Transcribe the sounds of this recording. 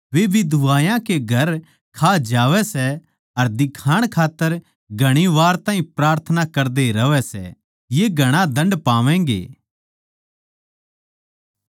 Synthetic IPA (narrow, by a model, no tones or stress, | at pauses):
ʋebʱid̪ʊʋaːjãkeɡʱɐɾ | kʰaːd͡ʒaːʋɛsɛ | ɐɾd̪ɪkʰaːɽ̃kʰaːt̪ːəɾ | ɡʱɐɽ̃iʋaːɾt̪ãːɦĩpɾaːɾt̪ʰənakɐɾd̪eɾɐʋɛsɛ̰ | jeɡʱɐɽ̃ãd̪ɐ̃ɳɖpaːʋɛ̃ːɡḛː